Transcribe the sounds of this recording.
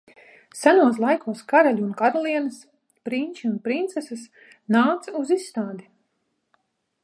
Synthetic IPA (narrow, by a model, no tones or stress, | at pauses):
sænuɔs̬lˠajkuɔskaɾalʲuːnkaɾalˠiɛnas | pɾinʲt͡ʃiunpɾint̪sɛsas | naːt̪suzisːt̪aːd̪i